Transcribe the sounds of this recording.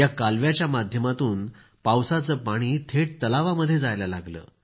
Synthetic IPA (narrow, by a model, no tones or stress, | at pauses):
jakalʋjat͡ɕjamad̪ʱjəmat̪uːn | pawsat͡səːpaɽ̃iːt̪ʰeʈ̚t̪əlaʋaməd̪ʱːjed͡zajlalaɡlə̰ː